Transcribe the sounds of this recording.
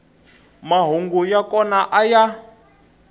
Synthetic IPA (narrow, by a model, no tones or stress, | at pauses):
maɦoŋɡujakɔnaʔaja